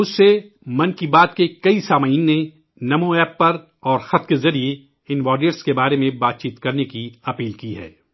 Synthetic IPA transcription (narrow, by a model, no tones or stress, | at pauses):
ʊsːe | mɐ̃nkibaːt̪kekɐisaːmaiːnːe | nɐmõɛːpːɐɾ | ɔːɾxɐt̪kezɐɾie | ɪnʋaːɖiəʈskebaːɾemẽbaːt̪̚t͡ʃiːt̪kɐɾnekiɐpiːlkiɦɛ̰ː